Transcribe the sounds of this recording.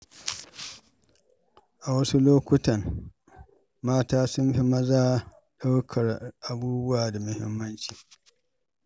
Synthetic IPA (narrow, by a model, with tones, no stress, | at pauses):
ʔa˨wɐ˦su˦loː˦kʷʊ˦tɐ˨ŋ | maː˦taː˦sʊ˦mɸi˦mɐ˦zaː˦ | ɗa˦wkʰɐ˨rʔa˨buː˦bʊ˦waː˨da˨mʊ˦hɪ̰˦mːɐ˦nt͡ʃiː˨